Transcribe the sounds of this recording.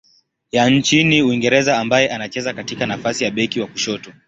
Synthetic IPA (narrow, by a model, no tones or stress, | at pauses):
jaɲ̩t͡ʃiniuwiŋɡɛɾɛzaːmbajɛʔanat͡ʃɛzakatikanafasijaɓɛkiwakuʃɔtɔ